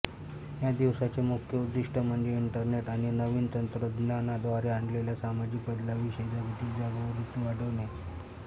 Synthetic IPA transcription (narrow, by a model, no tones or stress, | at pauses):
jad̪iʋsat͡semukʰjəud̪ːiʂʈəm̤əɳd͡zeiɳʈəɾneʈaɽ̃inəʋiːnt̪ənt̪ɾəd̪nanad̪ʋaɾeaɳɖleljasamad͡ʑik̚bəd̪laʋiɕəjd͡zaɡit̪iːld͡ʑaɡəʋəɾit͡suʋaɽənaj